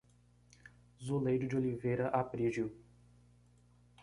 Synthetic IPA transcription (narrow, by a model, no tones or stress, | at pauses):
zolejɾʊd͡ʒɪolivejɾɐʔapɾiʒjʊ